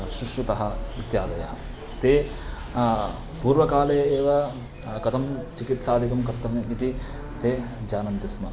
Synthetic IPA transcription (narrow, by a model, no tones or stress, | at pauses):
ʃɾuʂɾut̪ɐɦɐ̆ʋit̪jaːd̪ɐjɐɦɐ | t̪eː | puːɾʋɐkaːlɐjɐeːʋɐ | kɐt̪ʰɐmt͡ʃikit̪saːd̪ʱikɐmkɐɾt̪ːɐmeit̪i | t̪eː | d͡ʒaːnɐnt̪ismɐ